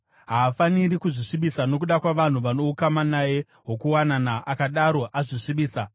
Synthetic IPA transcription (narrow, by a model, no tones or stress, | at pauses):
ɦaːfanirikuʐiʂiɓisano̞k̬uɗakwaʋan̤uʋano̞ukamanaje̞ | ɦo̞kuwananaʔakaɗaɾo̞ʔaʐiʂiɓiːsa